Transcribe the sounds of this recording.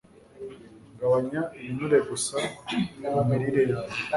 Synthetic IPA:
ŋɡawaɲaeβinuɾeɡusanamiɾiɾea

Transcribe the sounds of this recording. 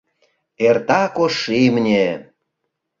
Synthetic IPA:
ert̪ɑkoʃːimnʲe

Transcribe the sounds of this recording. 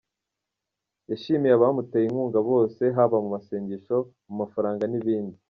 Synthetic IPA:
jaʃimijaβamuteːjiŋɡuːŋɡaβo̞ːse̞ɦaβamumaseːɲɟeʃo̞mumafaɾaːŋɡaniβiːndi

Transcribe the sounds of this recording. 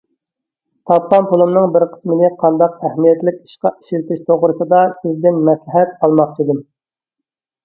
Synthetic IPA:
t̪ʰɑp̚qɑmpʰulˠumnɨŋbɪɾqʰə̥smɪnɪqʰɑnd̪ɑq̚æhmijɛt̪lɪkʲi̥ʃqɑi̥ʃilt̪ɪʃt̪ʰoʁɾɨsɨd̪ɑsɪzd̪ɪnmɛslɪɦɛt̪̚ɑlˠmɑχt͡ʃʰid̪ɨm

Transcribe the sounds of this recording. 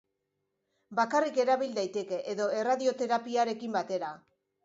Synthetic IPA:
bakarike̞ɾaβild̪ajt̪e̞ke̞ʔeðo̞e̞raðio̞t̪e̞ɾapiaɾe̞kimbat̪e̞ɾa

